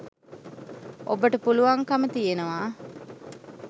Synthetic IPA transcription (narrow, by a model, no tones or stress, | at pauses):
ʔobəʈəpuluʋɐŋkɐmət̪ijenɐʋaː